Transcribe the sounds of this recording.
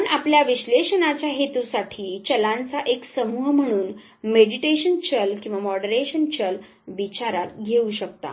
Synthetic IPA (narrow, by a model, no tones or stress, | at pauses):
pəɳapljaʋiɕleɕənat͡ɕjaɦet̪usaʈʰiːt͡ɕəlãnt͡saʔeksəmuɦm̤əɽ̃uːn | meɽiʈeɕənt͡ɕəlkĩw̃ʋamɔɽəɾeɕənt͡ɕəl | ʋit͡ɕaɾat̪ɡʱeuɕək̚t̪a̰